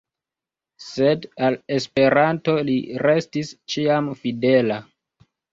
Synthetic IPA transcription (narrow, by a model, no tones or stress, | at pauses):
se̞dale̞spe̞ɾanto̞liɾe̞stist͡ʃiamfide̞la